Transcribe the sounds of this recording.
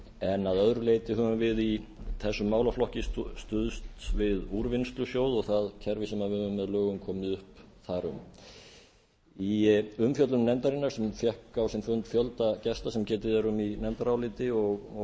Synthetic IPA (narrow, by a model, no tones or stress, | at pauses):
ɛnaðœðɾʏleːjt̪ɪɦœːvʏmvɪðiθɛsːʏmːaːwlaflɔhcɪst̪ʏðst̪vɪðuɾvɪnst̪lʏsjoːwðɔɣθaðcʰɛɾvɪsɛmaðvʏːvʏmːɛðlœːɣʏmkʰɔːmɪðʏhpθaɾʏ̰m | iʏmfjœt̪lʏnːɛnt̪aɾɪnːaɾ̥sɛmfjɛhkawsɪnfʏnt̪fjœlt̪acɛst̪asɛmcɛːt̪ɪðɛɾʏminɛnt̪aɾawlɪt̪ɪɔɣ